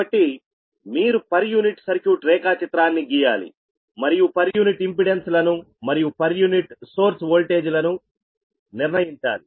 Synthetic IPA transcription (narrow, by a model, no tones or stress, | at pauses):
ɐʈːi | miːɾupɐɾjuːniʈsɐɾkjuːʈɾɛːkaːt͡ʃit̪ɾaːnːiɡiːja̰ːlḭ | mɐɾijupɐɾjuːniʈimpiɽenslɐnu | mɐɾijupɐɾjuːniʈso̞ːɾsʋoːlʈe̞ːd͡ʒulɐnu | niɾnɐjiɲt͡ʃa̰ːli